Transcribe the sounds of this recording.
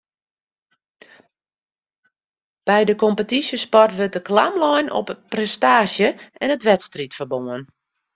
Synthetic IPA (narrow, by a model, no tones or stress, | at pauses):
b̥ɛjdəkɔmpətisjəspɔrtʋøt̚dəklamlɔjnɔ̰pprɛstaːsjəɛnətʋɛtstritfərboən